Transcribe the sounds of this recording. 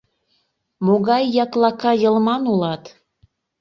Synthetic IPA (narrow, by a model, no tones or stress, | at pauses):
moɣɑjːɑklɑkɑjə̆lmɑnulɑt̪